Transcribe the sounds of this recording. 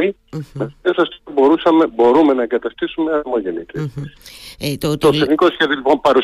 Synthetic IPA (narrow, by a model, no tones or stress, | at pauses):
imeesɐst̪obo̞ɾusɐmebo̞ɾume̞nɐeŋɡɐt̪ɐst̪isume̞ɐɾmo̞ʝe̞nit̪eset̪ot̪oθeniko̞sçeðiolipo̞mpɐɾus